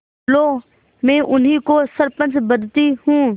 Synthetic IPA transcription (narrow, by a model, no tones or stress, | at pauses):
loː | mɛ̃ːʔʊnɦikoːsəɾpə̃nt͡ʃbəd̪t̪ihũː